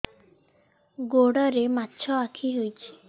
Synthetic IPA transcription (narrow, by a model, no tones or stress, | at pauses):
ɡoɽɔɾematːt͡ʃʰɔakʰiɦojt͡ʃʰi̥